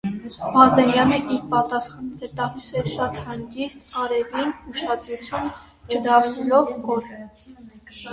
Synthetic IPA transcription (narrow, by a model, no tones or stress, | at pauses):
mɑzɛnjɑnəʔiɾpɑt̪ɑsχɑnt̪ʰɛt̪ɑhisɛɾʃɑt̪hɑŋɡist̪ɑɾɛvinuʃɑd̪ɾut͡sʰjun | t͡ʃʰəd̪ɑsʰnɛlɔvɔɾ